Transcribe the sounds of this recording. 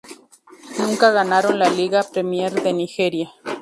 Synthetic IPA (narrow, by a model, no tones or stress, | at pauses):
nuŋkaɣanaɾonlaliɣapɾemjeɾd̪enixeɾja